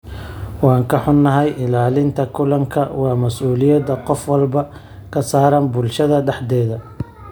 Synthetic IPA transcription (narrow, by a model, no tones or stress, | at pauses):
wɑːŋkʰɐħʊnːɐɦɛjʔɪlaːlɪnt̪ʰɐkʰʊlɐŋkʰɐwɑːmɐsʔuːlɪjɐd̪ɐqɔfwɐlbɐ | kʰɐsaːɾɐnbʊlʃɐðɐɖɛħd̪ɛːðɐ